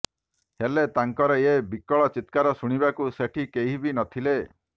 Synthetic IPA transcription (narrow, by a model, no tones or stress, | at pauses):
helet̪aŋkɔɾɔebikɔɭɔt͡ʃit̪kaɾɔsuɽ̃ibakuseʈʰikeɦibinɔt̪ʰile